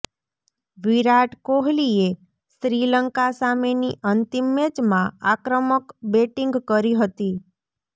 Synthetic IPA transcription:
ʋiɾaʈkoɦlie | sɾiləŋkasameniʔənt̪imːet͡ʃmãakɾəməkbeʈiŋɡkəɾiɦət̪i

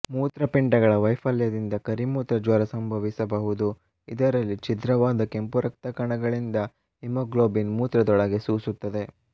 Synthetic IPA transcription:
muːt̪ɾɐpiɳʈɐɡɐɭɐʋɐjfʰɐljɐd̪ind̪ɐkɐɾimuːt̪ɾɐd͡ʒɐɾɐsɐmbʱɐʋisɐbɐɦud̪u | id̪ɐɾɐlːit͡ʃid̪ɾɐʋaːd̪ɐke̞mpuɾɐk̚t̪ɐkɐɳɐɡɐɭind̪ɐ | imoɡloːbinmuːt̪ɾɐd̪ɔɭɐɡe̞suːsut̪ːɐd̪e̞

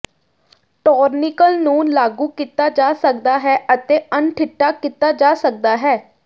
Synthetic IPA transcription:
ʈɔːɾnɪkəlnũːlaːɡuːkit̪aːd͡ʒaːsək̚d̪aːɦɛːʔət̪eːənʈʰɪʈːaːkit̪aːd͡ʒaːsək̚d̪aːɦɛː

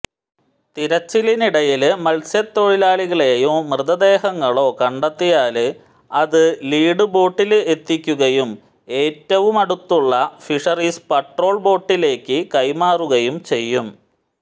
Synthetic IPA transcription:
t̪iɾɐt͡ɕːiliniɽɐjilmɐlsjɐt̪ːo̞ːɻilaːɭiɣɐɭeːjumrɨðɐd̪e̞ːɦɐŋːɐɭo̞ːkɐɳɖɐt̪ːijaːlɨ | ɐðɨliːɽɨbo̞ːʈːile̞t̪ːikʲːuɣɐjum | e̞ːtːɐʋumɐɽut̪ːuɭːɐfiʂɐriːspɐʈro̞ːɭbo̞ːʈːile̞ːkʲːɨkɐjmaːruɣɐjumt͡ɕe̞jːum

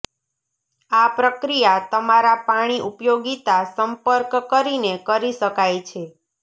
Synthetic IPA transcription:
apɾəkɾijat̪əmaɾapaɽ̃iʔupjoɡit̪asəmpəɾkkəɾinekəɾiʃəkajt͡ʃʰe

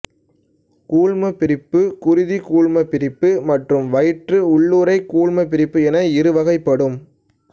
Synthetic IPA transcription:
kuːɻmɐpːɪɾɪpːɯkʊɾɪðikuːɭmɐpɪɾɪpːɯmɐʈrɯmʋɐjɪʈrɯʊɭːuːɾɐɪkuːɭmɐpɪɾɪpːɯɛnɐɪɾɯʋɐɣɐɪpːɐɽɯm

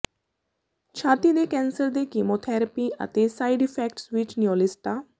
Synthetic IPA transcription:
t͡ʃʰat̪id̪ekɛ̃nsəɾd̪ekimot̪ʰɛɾəpia̰t̪esajɖifɛk̚ʈsʋit͡ʃnijolisʈa

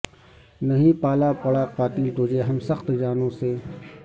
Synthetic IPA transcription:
nɐɦĩpaːlapɐɽaqaːt̪ilt̪oːd͡ʒeɦɐmsɐxt̪d͡ʒaːnõseː

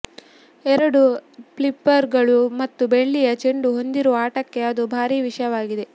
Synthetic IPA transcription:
ɛɾɐɽupɭipːɐɾɡɐɭumɐt̪ːubeɭːijɐt͡ʃeɳɖuɦo̞nd̪iɾoːaːʈɐkːe̞ɐd̪ubʱaːɾiːʋiʂɐjɐʋaːɡid̪e

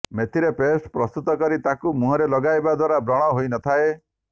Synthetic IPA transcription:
met̪ʰiɾepesʈpɾɔst̪ut̪ɔkɔɾit̪akumũɦɔɾelɔɡajbad̪waɾabɾɔɽ̃ɔɦojnɔt̪ʰae

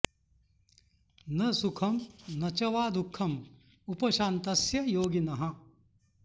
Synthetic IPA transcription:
nɐsukʰɐmnɐt͡ʃɐʋaːd̪ukʰːɐm | upɐʃaːnt̪ɐsjɐjoːɡinɐɦɐ̃̆

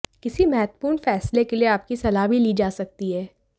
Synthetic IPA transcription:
kɪsimɛɦt̪puːnfɛːslekelieaːp̚kisɐlaːbʱiliːd͡ʒaːsɐk̚t̪iɦɛː

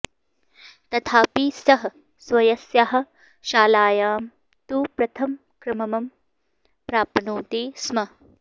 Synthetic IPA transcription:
t̪ɐt̪ʰaːpiːsɐɦɐ | swɐjɐsjɐɦɐ̆ | ʃaːlaːjaːm | t̪uːpɾɐt̪ʰɐm | kɾɪmɐmɐm | pɾaːpɐnuːt̪eːsmɐ

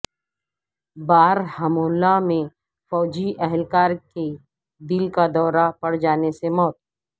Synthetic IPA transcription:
baːɾhɐmoːlamẽ | fɔːd͡ʒiʔɛɦɛlkaːɾke | d̪ɪlkad̪ɔːɾapɐɽ̤d͡ʒaːnesemɔːt̪̚

